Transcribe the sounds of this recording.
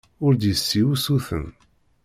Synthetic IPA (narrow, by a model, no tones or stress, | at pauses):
ʊɾd̪jəsːiwusuθə̰n